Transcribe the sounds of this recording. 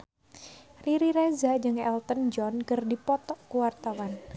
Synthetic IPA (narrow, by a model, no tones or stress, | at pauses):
riɾiɾɛzad͡ʒɨŋɛlt̪ənd͡ʒɔnkɨrdipɔt̪ɔkuwart̪awan